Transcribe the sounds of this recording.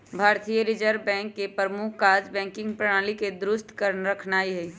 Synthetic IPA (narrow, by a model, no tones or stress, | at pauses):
bʱaːɾt̪ijəɾɪd͡ʒəɾbɛ̃ːŋkːepəmʊkʰkaːd͡ʒbɛ̃ːŋkɪ̃ŋɡpɾɐɽ̃aːliked̪ɾʊst̪kəɾnɾɐkʰnaːiɦɛi